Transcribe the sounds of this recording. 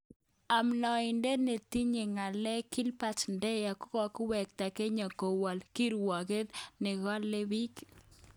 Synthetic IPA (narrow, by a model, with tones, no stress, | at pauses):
a˨mnɔ˨ɪ˨nde˦ne˨t̪i˦ɲe˨ŋa˨lɛ˦ki˦lpa˦t͡ʃndɛ˦ja˨kʊ˦kɔ˦kwɛ˨k̚t̪a˨ke˦ɲa˨ko˨wɔ˨lki˦ɾwɔ˨ɣe˦dnɪ˨ɣɔ˦lːe˦bi˦k